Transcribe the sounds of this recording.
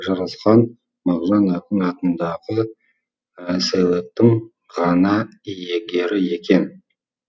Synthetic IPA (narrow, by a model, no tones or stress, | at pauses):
ʒɑɾəsqɑn | mɑʁʒɑnɑq̪ənɑt̪ənd̪ɑʁə | sæwet̪ːɪŋ | ʁɑnɑije̞ɡʲe̞ɾɪje̞kʲe̞n